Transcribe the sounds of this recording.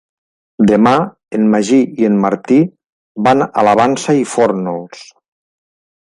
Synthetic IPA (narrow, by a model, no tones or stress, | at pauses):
d̪əma | enmaʒiiənmaɾt̪i | bana̰laβ̞ansaifɔɾnolˠs